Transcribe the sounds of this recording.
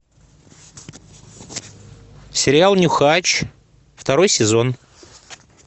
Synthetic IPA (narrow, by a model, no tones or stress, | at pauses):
sʲɪɾʲɪalˠnʲʊxat͡ɕ | ft̪ɐɾo̞jsʲɪzo̞n